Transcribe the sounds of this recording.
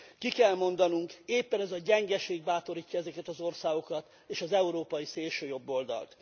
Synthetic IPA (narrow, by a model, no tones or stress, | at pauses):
kikɛlmo̞nd̪ɒnuŋkeːpːɛnɛzɒɟɛŋɡɛʃeːɡ̚baːt̪oɾiːcːɒɛzɛkɛt̪ɒzo̞rsaːɡo̞kɒt̪ | eːʃɒzɛuɾoːpɒjiseːlʃøːjo̞bːo̞ld̪ɒ̰lt̪